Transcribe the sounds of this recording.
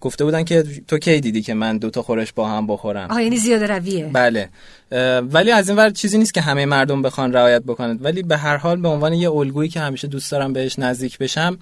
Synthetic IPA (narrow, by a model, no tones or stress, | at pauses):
ɡ̥o̞ft̪e̞buːd̪æncʰe̞t̪ʰo̞cʰe̞jd̪iːd̪iːcʰe̞mænd̪ot̪ʰɒxo̞ɾeʃbɒːhæmbo̞xo̞ɾæ̰mɒːjanizijɒːd̪eɾæviebæle̞ | væliːæziːnvæɾd̪̚t͡ʃʰiːziːnist̪̚cʰʲeɦæmejemæɾd̪o̞mbe̞xɒnɾæɒːjæt̪̚bo̞kʰo̞næd̪væliːbe̞ɦæɾɦɒːlbe̞o̞nvɒːne̞jeolɡuːiːcʰe̞hæmiːʃed̪uːst̪ɒːɾæmbe̞he̞ʃnæzd̪iːcʰbe̞ʃæm